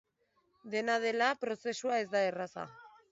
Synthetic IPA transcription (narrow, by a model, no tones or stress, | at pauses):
d̪e̞nað̞e̞lapɾo̞se̞suae̞zd̪aerasa̰